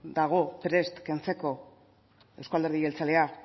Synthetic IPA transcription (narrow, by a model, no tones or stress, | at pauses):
d̪aɣ̞o̞pɾe̞st̪ke̞nt͡se̞ko̞ | e̞wskald̪eɾðie̞lt͡sale̞a